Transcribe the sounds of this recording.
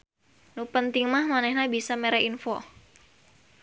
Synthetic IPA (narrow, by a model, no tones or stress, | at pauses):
nupənt̪iŋmahmanɛhnabisameɾɛinfɔ